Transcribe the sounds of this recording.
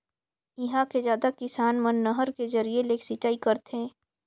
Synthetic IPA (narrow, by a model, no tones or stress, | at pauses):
ɪɦãkezjaːd̪akɪsaːnmənːəɦəɾkezɐɾieleːksit͡ʃaːikɐɾt̪ʰɦẽː